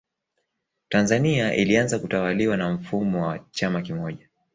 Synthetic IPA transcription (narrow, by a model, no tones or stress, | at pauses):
tanzaniaʔḭlianzakutawaliwanam̩fumɔwat͡ʃamakimɔʄa